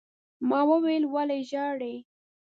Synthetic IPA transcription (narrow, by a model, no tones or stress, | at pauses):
mɑwəwelwaleʒɑɽe